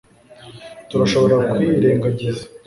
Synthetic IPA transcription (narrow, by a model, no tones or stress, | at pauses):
tuɾaʃo̞βo̞ɾakwiɾe̞ːŋɡaɟiza